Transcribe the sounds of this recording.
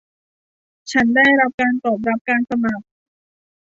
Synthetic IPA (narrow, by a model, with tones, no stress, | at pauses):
t͡ɕʰa˦˥nda˥˩jɾa˦˥p̚kaː˧nt̪ɔː˨˩p̬̚ɾa˦˥p̚kaː˧nsa˧ma˨˩k̚